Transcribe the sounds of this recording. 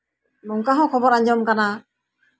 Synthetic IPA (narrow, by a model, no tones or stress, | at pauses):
mɔŋkaɦɔ̃kʰɔbɔɾaɲd͡ʒɔmkana